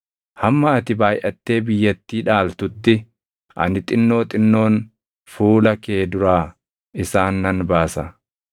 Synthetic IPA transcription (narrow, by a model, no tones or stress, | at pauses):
hɐmːɐːt̪ɪbaːjʔɐt̪ːe̞ːbɪjːɐt̪ːiːᶑaːlt̪ʊt̪ːɪ | ʔɐ̰nɪt̪ʼɪnːo̞ːt̪ʼɪnːo̞ːn | fuːlɐke̞ːd̪ʊɾaː | ɪsaːnːɐnbaːsɐ